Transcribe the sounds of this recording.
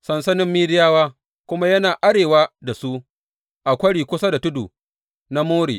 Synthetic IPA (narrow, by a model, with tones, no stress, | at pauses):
sɐ˨nsɐ˦nɪ˦mːiː˦dɪ˦jaː˦waː˦ | kʷʊ˦ma˦jɐ˦naː˨ʔa˦ɽeː˨wa˦da˨su˦ʔ | ʔa˨kʷɐ˦ɽiː˨kʷʊ˦sa˦da˨tʊ˦dṵː˨ | na˦moː˦ɽḭː˨